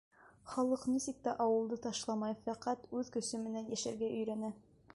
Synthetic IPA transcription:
χɑlˠɤqnisik̚t̪æʔɑwɤ̆lˠd̪ɤt̪ɑʃlˠɑmɑjfæqæt̪ʉðkɵ̆sɵmɘ̆nænjæʃæɾɡæʔɵ̆jɾænæ

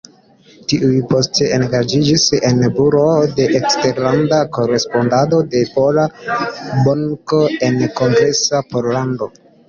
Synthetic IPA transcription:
tiʔujpo̞stʰe̞enɡad͡ʒid͡ʒise̞nbuɾo̞de̞ʔekste̞ɾlandako̞ɾe̞spo̞ndado̞de̞po̞la | boŋkoe̞nko̞ŋɡɾe̞sapo̞ɾlando̞

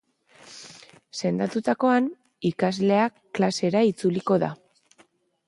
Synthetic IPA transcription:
se̞nd̪at̪ut̪ako̞an | ikazle̞a | klase̞ɾait͡suliko̞ða̰

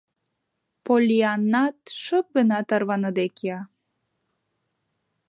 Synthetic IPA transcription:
polʲiɑnːɑt̪̚ʃəp̚ɡənɑt̪ɑrβɑnəd̪ekeɑ

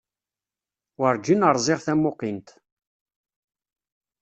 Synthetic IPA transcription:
wəɾˤd͡ʒinəɾˤzˤɪʁθæmːʊqint̪

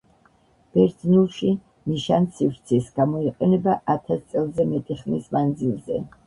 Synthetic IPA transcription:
b̥ɛɾd̪znulˠʃi | miʃansivɾt̪sʰisɡ̥amɔiqʼɛnɛbaʔat̪ʰast̪sʼɛlˠzɛmɛt̪ʼiχmḭsmand̪zilˠzɛ̰

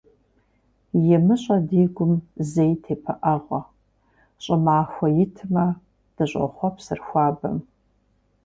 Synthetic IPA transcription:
jɛmɨɕʼɐdiːɡʷʊmzejtʰeːpʰɐʔɐʁʷɐ | ɕʼɐmaːxʷɐjɪtʰɨmɐ | d̥ɨɕʷʼɐ̰χʷɔpsɨrxʷɑːbɐ̰m

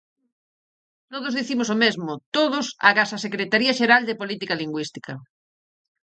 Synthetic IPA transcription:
t̪oðʊzðiθimʊsomezmʊt̪oðʊsa̰ɣasasekɾet̪aɾiɐʃeɾald̪epolit̪ikaliŋɡwist̪i̥kɐ

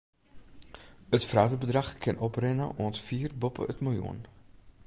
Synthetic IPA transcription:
ətfrawdəbədrɑχkʰɪnɔprɛnəʔuəntfiːrbɔpə̰ə̰tmojṵən

